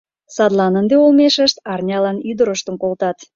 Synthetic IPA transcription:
sɑd̪lɑnənd̪eolmeʃəʃt̪ɑrnʲɑlɑnyd̪əɾəʃt̪əmkolt̪ɑt̪

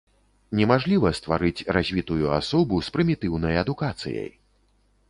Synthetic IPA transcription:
nʲɛmaʐlʲivɐst̪vaɾɨt͡sʲrazʲvʲit̪ujua̰sɔbuspɾɨmʲit̪ɨwnɐjɐd̪ukat̪sɨ̰jɐ̰j

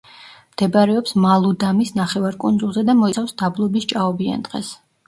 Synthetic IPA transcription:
md̪̥ɛbaɾɛɔpsmalˠud̪amisnaχɛvaɾkʼund̪zulˠzɛd̪amɔisafsd̪ablˠɔbist͡ʃʼaɔbia̰nd̪̥ʁɛ̰s

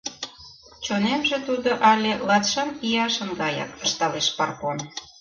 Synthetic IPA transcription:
t͡ɕonemʒĕt̪ud̪oʔɑlʲelɑt̪ʃɑnijɑʃəŋɡɑjɑ̰kə̆ʃt̪ɑleʃpɑrkon

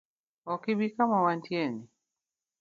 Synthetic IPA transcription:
wɔkibikamawantiɛni

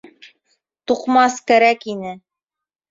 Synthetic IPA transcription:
t̪uqmɑskæɾækinɘ

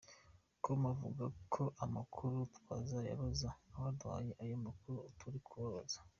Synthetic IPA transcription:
komavṵɡakʰo̞ʔamakʰuɾutwazaja̰βozaβaɾdwa̰ːjeʔajomakuɾuotuɾikʰuβaβazḁ

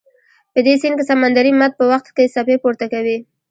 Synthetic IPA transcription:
pəd̪esinkesamand̪aɾimat̪̚pəwaxt̪kesapepoɾt̪akawi

